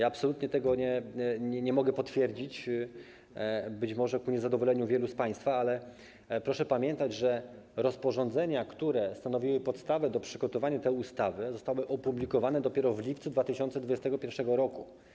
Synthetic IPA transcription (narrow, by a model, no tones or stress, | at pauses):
jaːpsɔlut̪ɲɛt̪ɛɡɔɲɛɲɛɲɛmɔɡɛpɔt̪fʲjɛɾd͡ʑit͡ɕ | bɘt͡ɕmɔʐɛkuɲɛzad̪ɔvɔlɛɲuvʲjɛluspaj̃st̪faalɛ | pɾɔʂɛpamʲjɛnt̪ad͡ʑʐɛ | ɾɔspɔʐɔnd̪zɛɲakt̪uɾɛst̪anɔvʲiwɘpɔt̪st̪avɛd̪ɔpʂɘɡɔt̪ɔvaɲat̪ɛjust̪avɘzɔst̪awɘʔɔpublʲikɔvanɛd̪ɔpʲjɛɾɔvlʲipt̪sud̪vat̪ɘɕɔnt̪sɛd̪vud͡ʑɛst̪ɛɡɔpʲjɛɾfʂɛɡɔɾɔku